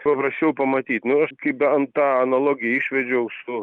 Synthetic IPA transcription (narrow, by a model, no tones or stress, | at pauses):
pɐpɾɐsʲt͡ʃʲɛʊpɐmɐt̪ʲiːt̪nʊɐʃkɐɪpbʲɛɐnt̪ɑːɐnɐlˠoːɡʲɪjɛɪʃʲʋʲɛd͡ʒʲɛʊsʊ